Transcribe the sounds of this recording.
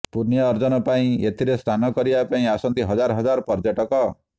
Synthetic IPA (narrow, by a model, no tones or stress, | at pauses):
puɾnijɔːɾd͡ʒɔnɔpaĩet̪ʰiɾest̪ʰanɔkɔɾibapaĩasɔnt̪iɦɔd͡ʒaɾɔɦɔd͡ʒaɾɔpɔɾd͡ʒɔʈɔkɔ